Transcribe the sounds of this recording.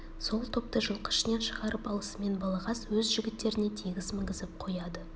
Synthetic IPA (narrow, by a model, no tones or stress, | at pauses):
so̞lˠt̪ʰo̞p̚t̪əʒəlˠqə̥ʃɪne̞nʃəʁɑɾəpɑlˠəsəme̞nbɑlˠɑʁɑswɵzʒʏɡʲɪt̪ːe̞ɾɪne̞t̪ʰiɡʲɪzmɪŋɡʲɪzɪp̚qʰo̞jɑd̪ə